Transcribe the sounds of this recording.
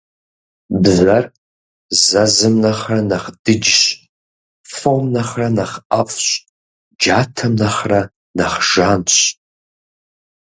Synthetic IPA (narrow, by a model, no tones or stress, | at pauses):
bzar | zazɨmnaχranaχd̥ɨd͡ʒɕ | fomnaχranaχafʼɕʷ | d͡ʒaːtʰɐmnaχra | naχʒanɕʷ